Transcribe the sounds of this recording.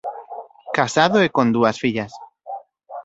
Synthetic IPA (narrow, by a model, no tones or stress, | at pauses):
kasaðoekõnd̪uasfiʎas